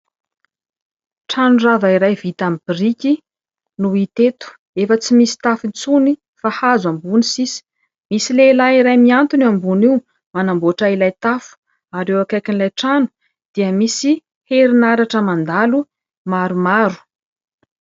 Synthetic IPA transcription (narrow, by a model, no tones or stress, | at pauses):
ʈ͡ʂanuravaiɾajvit̪amibirikʲi | nuit̪et̪u̥ | efət͡simisi̥t̪afint͡suni | fahazambunisisi̥ | misilelaiɾajmiant̪unambuniw | manamboaʈ͡ʂailajt̪afu̥ | aɾewakajkinlajʈ͡ʂanu̥ | d̪̥iəmisi | heɾinaɾaʈ͡ʂəmand̪alu | maɾumaɾu̥